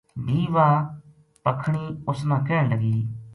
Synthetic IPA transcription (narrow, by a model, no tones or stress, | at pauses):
diːʋaː | pəkʰɽ̃iːʊsmãːkɛːɽləɡiː